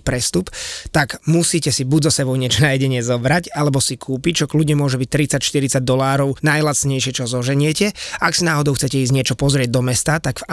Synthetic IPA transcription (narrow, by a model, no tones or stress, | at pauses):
pɾɛst̪upt̪aɡmusiːcɛsibuɟzɔsɛbɔʊɲɪɛt͡ʃɔnajɛɟɛɲɪɛzɔbɾacalɛbɔsikʰuːpic̚t͡ʃɔkluɟɲɛmʊɔʒɛbic̚t̪ɾit͡sacʃt̪iɾit͡saɟ̚d̪ɔlaːɾɔʊnajlat͡sɲɛjʃɪɛt͡ʃɔzɔʒɛɲɪɛcɛaksinaːɦɔd̪ɔʊxt͡sɛcɛiːzɲɪɛt͡ʃɔpɔzɾɪɛɟ̚d̪ɔmɛst̪at̪aɡfa